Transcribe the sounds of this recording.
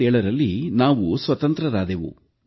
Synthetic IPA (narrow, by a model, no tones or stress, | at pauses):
ɛːɭɐɾɐlːinaːʋusʋɐt̪ɐnt̪ɾɐɾaːd̪eːʋṵ